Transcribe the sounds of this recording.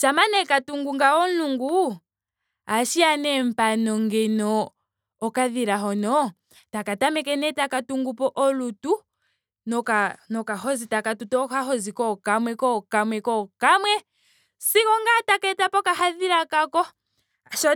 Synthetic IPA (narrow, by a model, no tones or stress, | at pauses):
t͡ʃamanɛkatuŋɡuŋɡaɔnluŋɡu | aʃianɛm̩panɔŋɡɛnɔː | kaðiɾaɦɔnɔ | takatamɛkɛnɛtakatuŋɡupɔʔɔlutu | nɔkanɔkaɦɔzitakatutɔkaɦɔzikɔkamwɛkɔkamwɛkɔkamwɛ | sikɔŋɡatakɛtapɔkahaðiɾakakɔ | aʃɔ